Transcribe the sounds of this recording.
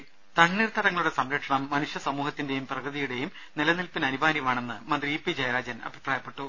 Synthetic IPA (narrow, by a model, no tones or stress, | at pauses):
t̪ɐɳniːrt̪ʰːɐɾɐŋːɐɭuɽe̞sɐmɾɐʈʂɐɳɐmːɐnuʂjɐsɐmuːhɐt̪ːinde̞jumprɐɣrɨðijuɽe̞jum | nilɐnilpinɐnubʱaːnjɐmaːɳe̞nːɨmɐnd̪riipːid͡ʑɐjɐɾaːd͡ʑɐnɐ̰bʱipraːjɐpːe̞ʈːu